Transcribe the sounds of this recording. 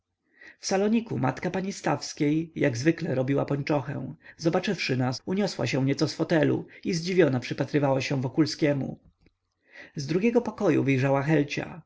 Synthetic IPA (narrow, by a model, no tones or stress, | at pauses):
fsalɔɲikuma̰t̪kapaɲist̪afskʲejːaɡzvɘklɛɾɔbʲiwapɔɲt͡ʂɔxɛ̰̃w̃zɔbat͡ʂɘfʂɘnasuɲɔswa̰ɕɛ̃w̃ɲɛt̪sɔsfɔt̪ɛlṵizd͡ʑivʲjɔnapʂɘpat̪ɾɘvawaɕɛ̃vɔkulskʲɛmṵ | zd̪ɾuɡʲɛɡɔpɔkɔjṵvɘjʐawaxɛlt͡ɕa̰